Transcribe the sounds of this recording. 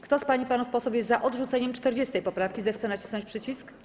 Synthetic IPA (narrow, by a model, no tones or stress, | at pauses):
kt̪ɔspaɲipanufpɔsufwjɛt̪zaʔɔd̪ʐut̪sɛɲɛmt͡ʂt̪ɛɾd͡ʑɛst̪ɛjpɔpɾafkʲizɛxt̪sɛnat͡ɕi̥snɔɲt͡ɕʲpʂɘt͡ɕisk